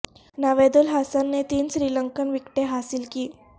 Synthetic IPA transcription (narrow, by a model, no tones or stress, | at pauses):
naʋed̪ulɦasanːet̪iːnɕɾiləŋkənʋikʈeɦasilkiː